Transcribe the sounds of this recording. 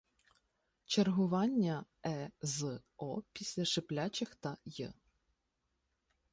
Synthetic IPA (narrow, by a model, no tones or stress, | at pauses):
t͡ʃerɦʊʋɑnʲːɐɛzɔpʲisʲlʲɐʃɪplʲat͡ʃɪxt̪ɐjɛ̰